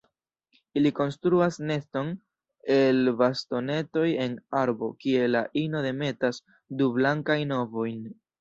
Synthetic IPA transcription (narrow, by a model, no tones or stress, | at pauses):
iliko̞nstɾuasne̞sto̞n | e̞lbasto̞ne̞to̞je̞naɾbo̞kie̞laʔino̞de̞me̞tas | dublaŋkajno̞vo̞jn